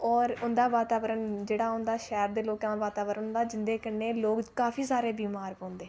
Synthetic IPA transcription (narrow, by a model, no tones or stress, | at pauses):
ɔːɾʊnd̪aːʋaːt̪aːʋəɾənd͡ʒeːɽaːʊ̃nd̪aːʃɛːɾd̪eːloːkãːʋaːt̪aːʋəɾənnd̪aːd͡ʒɪnd̪eːkəneːloːɡkaːfʰiːsaːɾeːbiːmaːɾpɔ̃ːnd̪eː